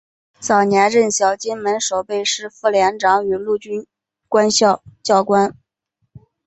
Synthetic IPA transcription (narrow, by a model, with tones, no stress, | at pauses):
t͡sɑ˨˩ʊnjɛ˧˥nɻə˥˩nɕjɑ˨˩ʊt͡ɕi˥nmə˧˥nʂo˨˩ʊpe˥˧ɪʂɻ̩˥˧fu˥˩ljɛ˧˥nʈ͡ʂɑ˧˥ŋy˨˩lu˥˩t͡ɕy˥n | kwa˥nɕjɑ˥˧ʊt͡ɕjɑ˥˩ʊkwa˥n